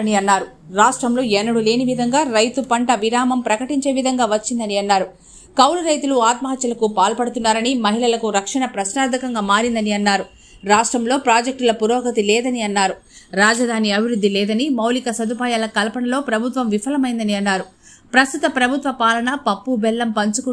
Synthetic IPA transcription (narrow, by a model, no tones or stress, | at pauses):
niɐnːaːɾu | ɾaːʂʈɾɐmloːɛnːɐɽule̞ːniʋid̪ʱɐŋɡaːɾɐjt̪upɐɳʈɐʋiɾaːmɐmpɾɐkɐʈiɲt͡ʃe̞ːʋid̪ʱɐŋɡaːʋɐt͡ʃːind̪ɐniɐnːaːɾu | kɐwluɾɐjt̪uluaːt̪mɐɦɐt̪jɐlɐkupaːlpɐɽut̪unːaːɾɐnimɐɦilɐlɐkuɾɐkʂɐɳɐpɾɐʃnaːɾd̪ʱɐkɐŋɡaːmaːɾind̪ɐniɐnːaːɾu | ɾaːʂʈɾɐmlo̞ːpɾaːd͡ʒɐk̚ʈulɐpuɾɔːɡɐt̪̬ilɛːd̪ɐniɐnːaːɾu | ɾaːd͡ʒɐd̪ʱaːniɐbʱiɾud̪ʱːilɛːd̪ɐnimɐwlikɐsɐd̪upaːjaːlɐkɐlɐpɐɳɐlo̞ːpɾɐbʱut̪ʋɐmʋipʰɐlɐmɐjind̪ɐniɐnːaːɾu | pɾɐst̪ut̪ɐpɾɐbʱut̪ʋɐpaːlɐɳɐpɐpːubɛlːɐmpɐɲt͡ʃuku